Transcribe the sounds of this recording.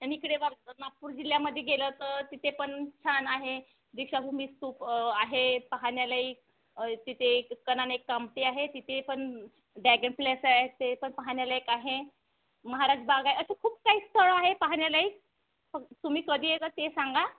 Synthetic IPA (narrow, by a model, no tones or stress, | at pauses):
aniikɽeʋanapːuːɾd͡ʑiljaməd̪ʱːjeɡelət̪əɾt̪it̪ʰepəɳt͡ɕʰanaɦe | d̪ikɕabʱuːmist̪uːpaɦepəɦaɳjalaiːk̚ | t̪it̪ʰeːənanekːamʈiaɦet̪it̪ʰepəɳ | ɖæɡeɳplesaɦet̪epəɳpaɦaɳjalaekaɦe | məɦaɾad͡ʑbaɡaɦeəɕekʰuːp̚kaɦiːst̪ʰəɭaɦepaɦaɳjalaiːk̚ | fəkt̪umiːkəd̪ʱiːjekat̪esaŋɡa